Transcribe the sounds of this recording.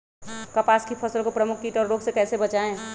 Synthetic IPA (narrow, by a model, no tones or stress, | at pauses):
kəpaskipʰəsəlkopɾəmukʰːiʈɔɾːoɡsekɛːsebət͡ʃaẽ